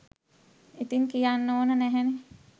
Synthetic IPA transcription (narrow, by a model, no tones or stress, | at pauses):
it̪iŋkijanːoːnənæɦɛne